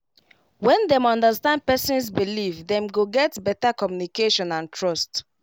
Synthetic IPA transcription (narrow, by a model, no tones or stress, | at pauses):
wɛ̃ndɛ̃mɔ̃ndəstãnd̚pɛsɔ̃nsbilivdɛ̃mɡoɡɛtbɛtakɔmjunikeʃɔ̃nãntʰɹɔst